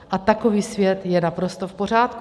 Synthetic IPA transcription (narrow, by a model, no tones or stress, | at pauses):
ʔat̪ako̞viːsvjɛt̪jɛnapɾo̞st̪o̞fpo̞r̝aːt̪k